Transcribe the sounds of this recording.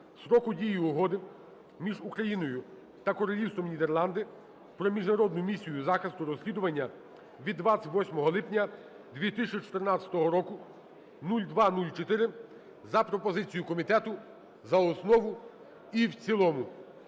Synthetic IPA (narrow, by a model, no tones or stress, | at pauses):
sɾɔkʊdʲijiʊɦɔd̪ɪ | mʲiʒukɾɐjinɔjʊ | t̪ɐkɔɾɔlʲiwst̪ɔmnʲid̪erlˠɑnd̪ɪ | pɾɔmʲiʒnɐɾɔd̪nʊmʲisʲijʊzɑxɐst̪ʊɾɔsʲlʲid̪ʊʋɐnʲːɐ | ʋʲid̪ːʋat͡sʲɐʋɔsʲmɔɦɔlˠɪpnʲɐ | d̪ʋʲit̪ɪt͡ʃit͡ʃɔ̥t̪ernɑt͡sʲɐ̥t̪ɔɦɔɾɔkʊ | nulʲd̪ʋɑnulʲt͡ʃɔt̪ɪɾɪ | zɐpɾɔpɔzɪt͡sʲijʊkɔmʲit̪ɛt̪ʊ | zɐɔsnɔʋʊ | iwt͡sʲilˠɔmʊ